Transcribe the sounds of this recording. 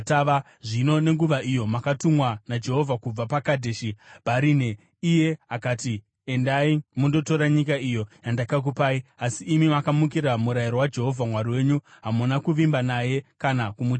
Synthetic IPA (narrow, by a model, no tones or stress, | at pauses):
taa | ʐino̞ne̞ŋɡuʋaʔijo̞makatumwanad͡ʒe̞ɦo̞vʱakub͡vapakadʱeːʃibʱaɾine | ije̞akaːti | endaimundo̞to̞ɾaɲik̬aijo̞jandakak̬upaiasiːmimakamukiɾamuɾajiɾowad͡ʒe̞ɦo̞vʱamwariwe̞ːɲuɦamunakuʋimbanaje̞kanakumu